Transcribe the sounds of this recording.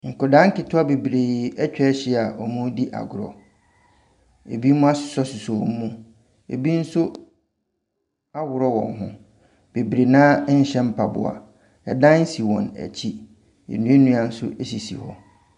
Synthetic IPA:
ŋ̩˨kʊ˨dã˦ŋ̩˦kɪ˨tʰʊ˦a˦be˨bɾe˨ɛ˦t͡ɕᶣɛ˦ɕɪ˦a˨ʔɔ˨mũ˦di˦ʔa̰˨ɡʊ˨ɾɔ̰˨ | ḛ˨bi˦mũ˦a˦sʊ̥˨sɔ˦sʊ˨sɔ˨m˦mũ˦ | ḛ˨bi˦n̩˦sʊ˦ | a˦wʊ˨ɾɔ˦wɔ̰̃˨ŋɦʊ̰̃˦ | b̥e˨bɾe˨nãː˦ɲ̩˦ɕɛ̃˦m̩˦pʰa˨bʊ̰˨a̰˨ | ɛ̰˨dã˦n̩˦si˨wɔ̰̃˨næ̰˨t͡ɕʰi˦ | ḛ˨nũ˦e˦nũ˦a˨n̩˦sʊ̰˦ʔe˦si˨sḭ˨hɔ̰̃˨

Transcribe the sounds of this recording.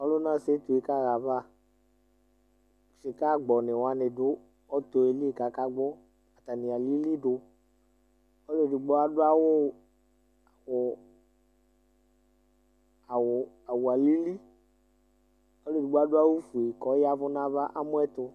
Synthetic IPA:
ɔ˦lʊ˦nã˦˨se˨˦t̪u˨e˦ka˦˨ɣa˨va˦˨ | ʃɪ˨ka˦˨ɡ͡bɔ˨nɪ˨wa˨˧nɪ˨dʊ˦ | ɔ˦t̪o˨e˨li˦e˦˨ka˨˦ka˦ɡ͡bʊ˦ | a˨t̪a˨nɪ˨a˨li˦li˦dʊ˧ | ɔ˦le˨dɪ˨ɡ͡bɔ˦a˨dʊ˦a˦wo˦ | a˨wʊ˨ | a˨w | a˨wo˨a˨li˦li˦ | ɔ˦le˦˨du˨ɡ͡bo˦a˦dʊ˦a˦wu˦fu˨e˨kɔ˨˦ja˦vʊ˦nã˦va˦ʔa˦mʊ̃˦ɛ˦t̪ʊ˧

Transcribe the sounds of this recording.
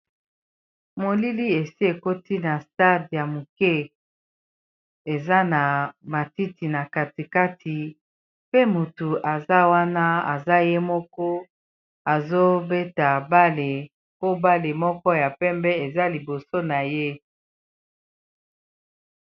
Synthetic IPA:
mo˨li˦li˦e˨si˦e˨ko˦ti˦na˨sta˦dja˨mu˨kɛ˦ | e˨za˦na˨ma˨ti˦ti˨na˨ka˨ti˨ka˦ti˨ | pe˦mu˨tu˨ʔa˨za˦wa˦na˦a̰˨za˦je˦mɔ˦kɔ˦ | a˨zo˦be˦ta˨ba˦le˨ | po˦ba˦le˨mɔ˦kɔ˦ja˨pɛ˦mbɛ˦e˨za˦li˨bo˨so˦na˨je˦

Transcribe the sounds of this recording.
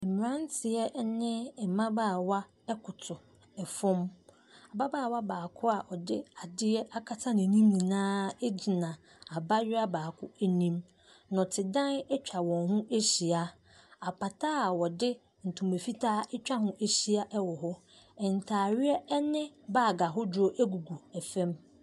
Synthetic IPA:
mɪ̃˨ɾã˦n˦tʰɪ˨ɛ˦nɪ̃˦ɛ˨mã˦baː˦˨wa˦ | ɛ˦kʰʊ˨tʰʊ˨ | ɛ˨fʊ̃˦m | a˨ba˦baː˦˨wa˦baː˨kʰʊ˦a˨ʔɔ˨dɪ˦a˨dɪ˦ɛ˦a˦kʰa˦tʰa˦nɪ̃˨nĩ˦mnĩ˨nãː˦e˦d͡ʑi˨nã˨ | a˨ba˦ɥɪ˦a˦baː˨kʰʊ˦æ˦nĩ˦m | nʊ̃˨tʰɪ˨dã˦nɛ˦t͡ɕᶣa˨wɔ̃˨nɦʊ̃˦e˦ɕi˨a˦ | a˨pʰa˨tʰaː˦˨wɔ˨dɪ˦ | n̩˨tʰũ˨me˨fi˦tʰaː˦ɛ˦t͡ɕᶣa˦hʊ̃˦ʔe˦ɕi˨a˦ʔɛ˦wɔ˨ɦʊ˦ | ɛ˨n˨tʰaː˨ɥɪ˦ɛ˦ɛ˦nɪ̃˦baː˦˨ɡa˨ɦʊ˦d͡ʑo˦ʔæ˦ɡu˨ɡu˨æ˨fɛ̃˦m

